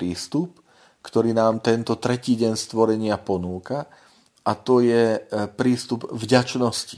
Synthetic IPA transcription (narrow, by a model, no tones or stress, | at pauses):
ɾiːst̪up | kt̪ɔɾiːnaːmt̪ɛnt̪ɔt̪ɾɛciːɟɛɲst̪ʋɔɾɛɲɪapɔnuːka | ʔat̪ɔjɛpɾiːst̪ubvɟat͡ʃnɔsci̥